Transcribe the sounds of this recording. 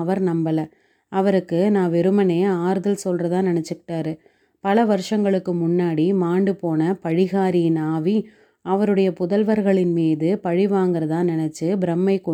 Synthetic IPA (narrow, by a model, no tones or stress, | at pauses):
ɐʋɐɾnɐmbɐlɐ | ɐʋɐɾɯkːɯnãːʋɛɾɯmɐneːaːɾɯðɪlsɔlrɐðãːnɪnɛt͡ʃːɯkɪ̥ʈːaːɾɯ | pɐlɐʋɐɾɯʂɐŋɡɐɭɯkːɯmʊnːaːɽimaːɳɖɯpoːnɐpɐɻɪɣaːɾinaːʋi | ɐʋɐɾɯɽɐjɐpʊðɐlʋɐɾɣɐɭɪnmiːðɯpɐɻɪʋaːŋɡɯɾɐðãːnɪnɛt͡ʃːɯbɪɾɐmːɐɪkːɔ